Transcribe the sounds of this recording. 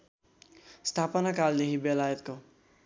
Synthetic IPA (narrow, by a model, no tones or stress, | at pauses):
st̪ʰapʌnakald̪ekibelajʌt̪ko